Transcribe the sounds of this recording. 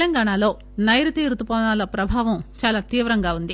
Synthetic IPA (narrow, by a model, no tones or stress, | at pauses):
lɐŋɡaːɳaːlo̞ː | nɐjɾut̪iːɾut̪upɔːnaːlɐpɾɐbʱaːʋɐmt͡ʃaːlaːt̪iːʋɾɐŋɡaːund̪i